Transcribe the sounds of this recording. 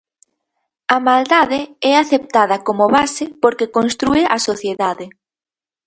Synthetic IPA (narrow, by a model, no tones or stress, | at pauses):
ɐmald̪aðɪɛaθep̚t̪að̞ɐkomoβasepoɾkekonst̪ɾueʔasoθjeðaðɪ